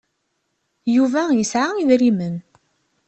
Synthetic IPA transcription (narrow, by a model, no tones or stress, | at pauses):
juvæjəsʕaiðɾimən